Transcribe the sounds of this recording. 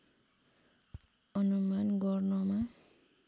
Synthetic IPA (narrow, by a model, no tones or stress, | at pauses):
ɔnɔmanɡɔɾnɔma